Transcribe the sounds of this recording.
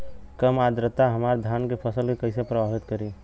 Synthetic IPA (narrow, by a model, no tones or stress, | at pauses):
kəmaːd̪ɾət̪aɦɐmaːɾd̪ʱjaːnkepʰəsəlkekəɪsepɾəbʱaːbɪt̪kəɾi